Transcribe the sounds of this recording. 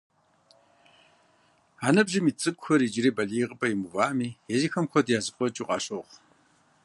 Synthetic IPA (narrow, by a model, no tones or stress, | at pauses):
aːnɐbʒɪmiːt͡sʼɨkʷʼxɐɾiːd͡ʒɪɾiːbɐɮijʁəpʼɐjimuvaːmiːjɛziːxɐmkʷɔdjaːzɨfʷʼɔt͡ʃʼiqʼɑ̰ːɕʼoʁ